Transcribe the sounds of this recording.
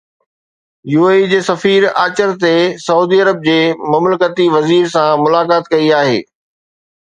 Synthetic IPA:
juːeːid͡ʑeːsɐfiːɾa̰ːt͡ɕəɾt̪esɐuːd̪iɐɾəb̚d͡ʑeːmɐmləkət̪iʋɐziːɾsãmʊlaːkaːt̪kɐiaːɦḛː

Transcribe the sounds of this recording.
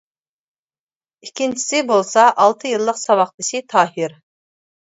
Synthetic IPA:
ikʲʰːint͡ʃʰi̥sɪbolˠsɑʔːlˠt̪ʰɨjɨlˠːəqsɑwɑχt̪ɨʃit̪ʰɑːhɪɾ

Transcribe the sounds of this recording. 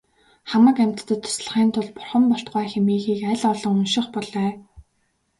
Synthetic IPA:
χamə̆kæm̥ʲt̪ːə̆t̪ʰːʊ̥sɮə̥̆χiːnt̪ʰʊɮpʊ̥rχə̆mpɔɬt̪̚ɢaːxemiːɣiːkæɮɔɮɞ̆ŋʊnʃɪ̆χpɔɮœː

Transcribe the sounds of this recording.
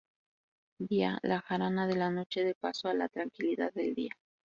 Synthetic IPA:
d̪ia̰laxaɾanaðe̞lano̞t͡ʃe̞ðe̞pasoalat̪ɾaŋkiliðaðːe̞ld̪ḭa

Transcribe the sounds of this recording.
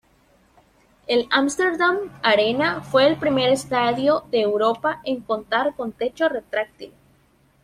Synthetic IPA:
e̞lamst̪eɾðamaɾenafwe̞ːlpɾime̞ɾest̪aðjo̞ðe̞ːwɾo̞paʔeŋko̞nt̪aɾko̞nt̪e̞t͡ʃoret̪ɾak̚t̪iβo

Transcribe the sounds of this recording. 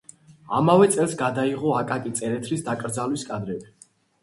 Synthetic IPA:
a̰mavɛt̪sʼɛlˠsɡad̪aiʁɔakʼakʼit̪sʼɛɾɛt̪ʰɾisd̪akʼɾd̪zalwiskʼad̪ɾɛbi

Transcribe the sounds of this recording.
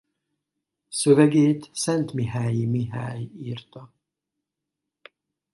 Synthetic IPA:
søvɛɡeːt̪sɛnt̪miɦaːjimiɦaːjiːrt̪ɒ

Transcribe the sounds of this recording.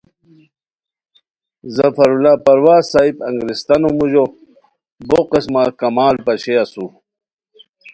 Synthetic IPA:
zɐfɐɾulaːpɐɾwaːsaːibɐŋɡɾist̪ɐnomuʑo | boqismakɐmaːlpɐɕeɐsu

